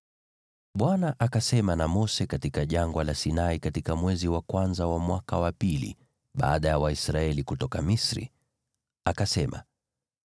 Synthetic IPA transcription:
ɓwanaʔakasɛmanamɔsɛkatikaʄaŋɡwalasinaikatikamwɛziwakwanzawamwaka̰wapilḭ | ɓa̰ːɗajawaisɾaɛlikutɔkamisɾḭ | akasɛma̰

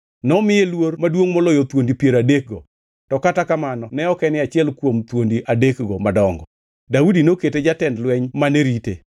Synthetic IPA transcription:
nɔmɪjelwoɾmadwoŋmɔlɔjot̪wondipjeɾadek̚ɡɔ | tɔkatakamanɔnɛɔkɛnɪat͡ʃɪɛlkwomt̪wondiʔadekɡɔmadɔŋɡɔ | daudinoketed͡ʒatɛndlwɛɲmaneɾitḛ

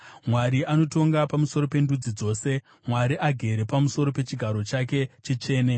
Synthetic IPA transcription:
mwaɾiano̞to̞ŋɡapamuso̞ɾo̞pe̞ndud͡zid͡zo̞ːse̞ | mwaɾiʔaɡʱe̞ɾe̞pamuso̞ɾo̞pe̞t͡ʃiɡʱaɾo̞t͡ʃake̞t͡ʃit͡ʃe̞ːne

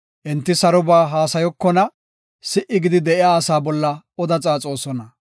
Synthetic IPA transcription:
ʔɪnt̪ːɪsɐɾɔbaːɦaːsɐjɔkːɔnɐ | sɪʔɪɡɪd̪ɪd̪ɛʔɪjaːsaːbɔlːɐ | ɔd̪ɐt͡sʼaːt͡sʼo̞ːsɔnɐ

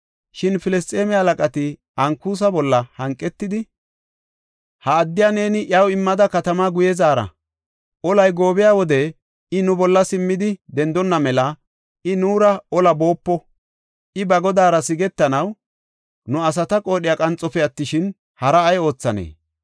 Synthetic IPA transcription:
ʃɪnfɪlɛst̪ʼeːmɪɐlɐkʼɐt̪ɪ | ɐŋkuːs̬ɐbɔlːɐhɐŋkʼːɛt̪ːɪd̪ɪ | hɐːd̪ːɪjane̞ːnɪʔɐwɪmːɐd̪ɐkɐt̪ɐmaːɡʊjɛzaːɾɐ̰ | ʔɔlɐjɡo̞ːbɪjaːwɔd̪ɛ | ɪnʊbɔlːɐsɪmːɪd̪ɪd̪ɛnd̪ɔnːɐmɛlɐ | ɪnuːɾɐɔlɐbo̞ːpːɔ | ɪbɐɡɔd̪aːɾɐsɪɡɛt̪ːɐnɐw | nʊɐs̬ɐt̪ɐkʼo̞ːɗɪjakʼɐnt͡sʼːɔfɛɐt̪ːɪʃɪn | hɐɾɐːjo̞ːt͡sːɐnḛː

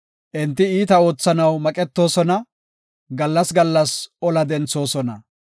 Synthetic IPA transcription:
ʔɪnt̪̬ːɪiːt̪ɐo̞ːt͡sːɐnɐwmɐkʼɛt̪ːo̞ːsɔnɐ | ɡɐlːɐsɡɐlːɐsʔɔlɐd̪ɛnt͡so̞ːsɔnɐ̰

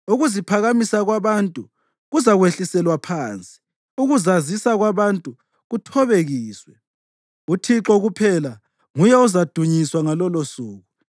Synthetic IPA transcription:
uɣuzipʰaɣamisaɣwaβantʼu | ɣuzaɣweɬisɛlwapʰaːnt͡sʼi̥ | uɣuzazisaɣwaβantʼu | ɣutʰɔβeɣiːswɛ | utʰiǁɔɣupʰɛla | ŋujɛuzad̥ʱuɲiswaŋalɔlosuːɣu

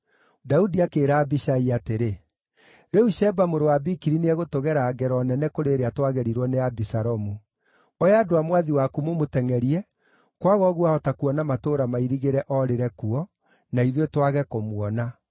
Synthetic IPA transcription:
daudiakeːɾaːbiʃaiateɾe | ɾɛuʃɛbamoɾowabikiɾineɛɣotoɣɛɾaːɡɛɾɔnɛnɛkoɾeːɾeatwaɣɛɾiɾwɔneabisaɾɔmu | ɔeaːdoamwaðiwakumomotɛŋɛɾiɛ | kwaɣɔɣuaɔtakuɔnamatoːɾamaiɾiɣeɾɛʔɔɾeɾɛkuɔ | naiðwetwaɣɛkomwɔna

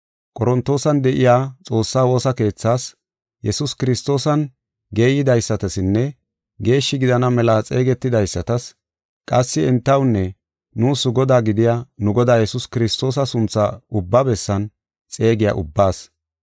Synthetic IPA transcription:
kʼɔɾɔnt̪o̞ːsɐnd̪ɛʔɪjaːt͡sʼo̞ːsːaːwo̞ːsɐke̞ːt͡sːaːs | jɛsʊskɪɾɪst̪o̞ːsɐn | ɡe̞ːjɪd̪ɐjsːɐt̪ɐsɪnːɛ | ɡe̞ːʃːɪɡɪd̪ɐnɐmɛlat͡sʼe̞ːɡɛt̪ːɪd̪ɐjsːɐt̪ɐs | kʼɐsːɪɛnt̪ːɐwnːɛ | nuːsʊɡɔd̪aːɡɪd̪ɪjaːnʊɡɔd̪aːjɛsʊskɪɾɪst̪o̞ːs̬ɐsʊnt͡sːaʊbːɐbɛsːɐn | t͡sʼe̞ːɡɪja̰ʔʊ̰bːaːs

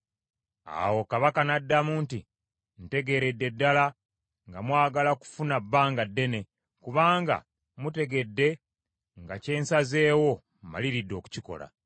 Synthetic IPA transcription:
a̰wo̞kaβakanadːamunti | n̩te̞ɡe̞ːɾe̞dːe̞dːala | ŋɡamwaːɡalaku̥funabːaːŋɡadːe̞ne̞ | kuβaːŋɡa̰ | mute̞ɡe̞dːe̞ | ŋɡace̞ːnsaze̞ːwo̞ | ma̰liɾidːo̞ːku̥ciko̞̰la̰

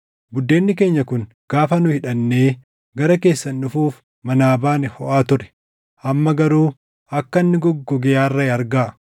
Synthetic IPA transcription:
bʊd̪ːe̞ːnːɪke̞ːɲːɐkʊŋ | ɡ̥aːfɐnʊhɪᶑɐnːe̞ː | ɡɐɾɐke̞ːsːɐnᶑʊfuːf | mɐnaːbaːnɪhɔʔaːt̪ʊɾɛ̥ | ʔɐmːɐɡɐɾuː | ɐkːɐnːɪɡɔɡːɔɡɛjaːrːɐɪɐɾɡaː

